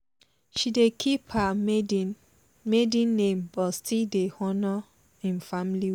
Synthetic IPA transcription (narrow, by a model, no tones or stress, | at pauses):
ʃidekʰipha | medĩnːẽmbɔtstidehɔnɔ | ĩnfamli